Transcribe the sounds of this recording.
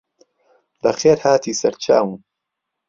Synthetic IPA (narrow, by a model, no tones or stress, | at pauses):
lɐxeːɾhaːt̪ʰiːsɐɾt͡ʃʰa̰ːwɨn